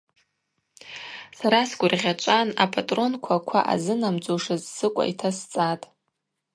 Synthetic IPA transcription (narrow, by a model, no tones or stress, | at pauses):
saɾasɡʷʊrʁʲat͡ʃʷʼanapʰʼatʼro̞nkʷʰakʷʰa̰ʔa̰zɨnamd͡zʼuʂɨzsɨkʷʼa̰itʰast͡sʼatʼ